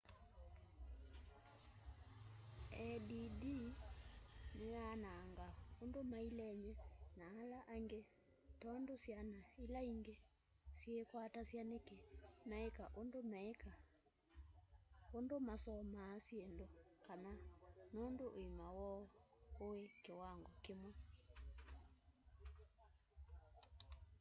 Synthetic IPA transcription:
ɛdidi | neanaːŋɡaondomailɛɲɛnaːlaʔaŋɡe | tɔndosjanailaiŋɡe | sjekwatasjanekemɛekaʔondomɛeka | ondomasɔmaːsjendokananondoʔːimawɔowekewaŋɡɔkemwɛ

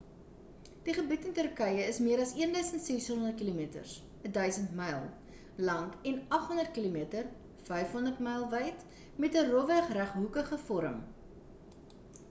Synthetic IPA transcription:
d̥iχəbitəntərkəjəəsmiəɾɐsiəndœɥsəntsɛsɦɔnɔndərtkilumiətə̰rs | ədœɥsəntmɐjlˠ | lɐŋkɛnɐχɦɔndərt̚kilumiətər | fɛjfɦɔndərtmɐjlˠvɐjt | mɛtərɔvæχræχɦukəχəfɔɾə̰m

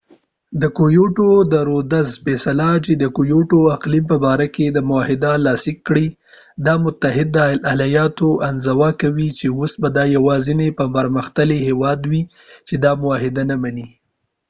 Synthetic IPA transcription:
d̪əkojoʈod̪əɾod̪azfesalat͡ʃed̪əkojoʈoaqlimpəbɑɾaked̪əmʊahɪd̪alɑsɪkːɽi | d̪ɑmʊt̪aɦɪd̪ːəalajɑt̪oʔanzawɑkawit͡ʃeosbad̪ɑjawɑzɪnepəmpaɾməxt̪alehewɑd̪wi | t͡ʃed̪ɑmʊwɑɦɪd̪anamani

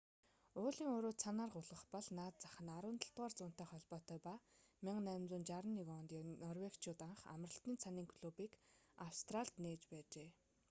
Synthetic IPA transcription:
ʊːɮiːŋoːɾoːsʰanaːrɢʊɮʁə̆χpɔɮnaːt̪̚t͡sḁχə̆naɾʊːnt̪ə̆ɬt̪ʁaːrt͡sʊːn̥t̪æːχɔɮpɔːt̪œːjpamɪŋnæːmt͡sʊːnt͡ɕaɾə̆nːikɔːnt̪inɔrwekt͡ɕʰʊːt̪aɴχa̰mrə̆ɬt̪iːnt͡sʰaniːŋkʰɵ̥ɮoːpiːk | awst̪raɬt̪neːt͡ɕpæːt͡ɕeː

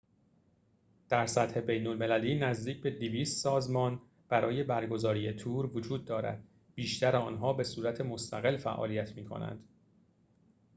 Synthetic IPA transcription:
d̪̥æɾsæt̪he̞be̞jnolme̞læliːnæzd̪iːc̚ʰbe̞d̪iviːst̪sɒːzmɒːn | b̥æɾʔɒːje̞bæɾɡo̞zɒːɾijet̪ʰuːɾvod͡ʒuːd̪̚ːɒːɾæ̰d̪̥ | b̥iːʃt̪ʰæɾeɒːnɦɒːbe̞suːɾæt̪ʰe̞mo̞st̪ʰæɣe̞lfæ̰ʔɒ̰ːlijæt̪ʰmiːkʰo̞̰næ̰nd̪̥

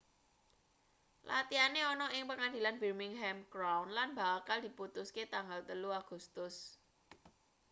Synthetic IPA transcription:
lat̪ianeɔnɔʔɪŋpəŋand̪i̤lanbi̤rmɪŋɦɛmɡ̥ɾawnlanba̤kald̪̥iput̪usket̪aŋɡalt̪əluaɡ̥ust̪ʊs

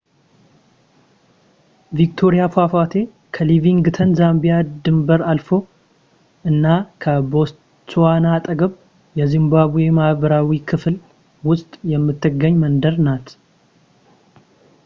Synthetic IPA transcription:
vik̚t̪ʰo̞ɾijafafat̪ʰe̞ | kʰəliviŋɡɨt̪ʰənzambijad̪ɨmbəɾalfo̞ | ʔɨnːakʰəbo̞s | t͡ʃʰːwanat̪ʼəɡəβ | jɛzɨmbaβujemaβəɾawikʰɨfl | wʊst̪ʼjɛmːɨt̪ʰːɨɡːəɲːmənd̪əɾnat̪

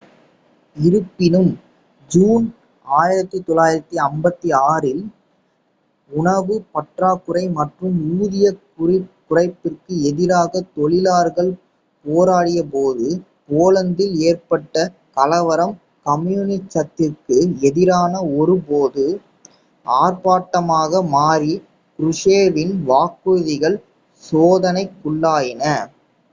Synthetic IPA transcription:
ɪɾɯpːɪnɯm | d͡ʒuːn | aːjɪɾɐt̪ːɯt̪ɔlaːjɪɾɐt̪ːiɐmbɐt̪ːiaːɾɪl | ʊɳɐʋɯpɐʈraːkːɯɾɐɪmɐʈrɯmuːðɪjɐkʊɾɪkʊrɐɪpːɪrkɯɛðɪɾaːɣɐt̪ɔɭɪlaːɾɣɐɭ | poːɾaːɽɪjɐpoːðɯ | poːlɐnd̪ɪleːrpɐʈːɐ | kɐlɐʋɐɾɐm | kɐmjunɪt͡ʃːɐt̪ːɪrkɯɛðɪɾaːnɐɔɾɯpoːðɯ | aːɾpaːʈːɐmaːɣɐmaːɾi | kɾʊʂeːʋɪnʋaːkuðɪɣɐɭ | soːðɐnɐɪkːʊɭːaːjɪnɐ

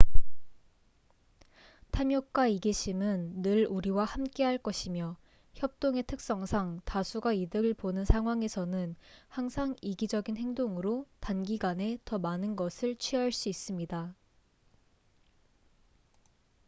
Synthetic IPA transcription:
tʰamjʌk̚k͈waiɡiɕʰimɯnːɯɭuɾiwahamk͈e̞ɦaɭk͈ʌɕʰimjʌ | çjʌp̚t͈oŋe̞tʰɯk̚s͈ʌŋsʰaŋtasʰuɡaidɯɾɯɭponɯnsʰaŋɦwaŋe̞sʰʌnɯnhaŋsʰaŋiɡid͡ʑʌɡinhe̞ŋdoŋɯɾotanɡiɡane̞tʌmanɯnɡʌsʰɯɭt͡ɕʰɥiʌɦaɭs͈uis͈ɯmɲida

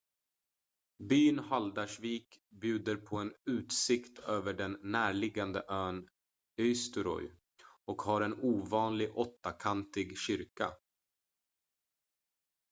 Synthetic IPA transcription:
byːnhald̪aʂviːkbjʉ̟ːd̪əɾpʰɔɛnʉ̟ːt̪sɪkt̪ʰøːvəɖɛnːæːɭɪɡːand̪əʔøːn | œst̪əɾɔ̰j | ɔkhaɾɛnuːvɑːnlɪɡɔt̪ːakʰant̪ɪɡɕʏɾka̰

